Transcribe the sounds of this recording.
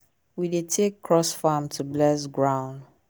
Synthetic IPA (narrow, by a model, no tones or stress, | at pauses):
widetʰekʰːɹɔsfamtʰublɛsɡɹãʊ̃n